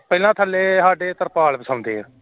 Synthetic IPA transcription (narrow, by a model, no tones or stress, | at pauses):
pɛɪlãːt̪ʰəlːeːɦaːɖeːt̪əɾpaːlbəsãːʊ̃nd̪eːɦɛː